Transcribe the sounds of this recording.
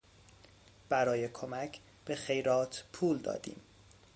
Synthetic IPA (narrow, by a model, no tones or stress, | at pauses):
b̥æɾɒːjekʰomæcʰ | b̥e̞χe̞jɾɒːt̪ʰpʰuːld̪ɒ̰ːd̪ḭːm